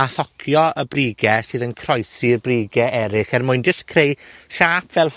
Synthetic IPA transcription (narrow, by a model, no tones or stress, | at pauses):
aθɔkʰjɔəbriːɡɛsɨːðənkʰrɔjsirbriːɡɛʔɛɾɪχɛrmʊɨndəskʰrejʃaːpʰvɛlˠ